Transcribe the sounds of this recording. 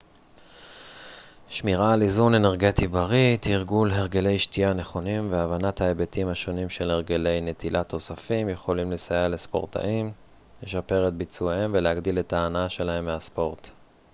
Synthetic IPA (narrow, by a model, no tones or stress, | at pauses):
ʃmiʁalizune̞ne̞ʁɡe̞tibaʁit̪hiʁɡulɦeʁɡe̞le̞jʃtiane̞χo̞nimveavanathaebetimhaʃo̞nimʃe̞lheʁɡele̞jne̞t̪ʰilʔat̪ʰo̞safimjeχo̞limlesajalespo̞̰ʁt̪ʰa̰ʔim | le̞ʃape̞ʁet̪̚bit͡suehemveleaɡdile̞taːnaaʃe̞lahe̞mːeaspo̞ʁt